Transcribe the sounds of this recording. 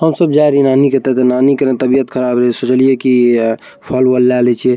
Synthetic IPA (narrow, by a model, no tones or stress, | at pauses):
ɦəmsəbd͡ʒaiɾinanikət̪ɛt̪enanikəɾet̪əbijət̪kʰəɾabɾɛsot͡ʃəlijeki | pʰəlwəlːalɛt͡ʃʰie